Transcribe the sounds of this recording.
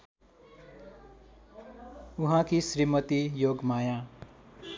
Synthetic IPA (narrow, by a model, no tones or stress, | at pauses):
uɦãkisrimʌt̪ijoɡmajã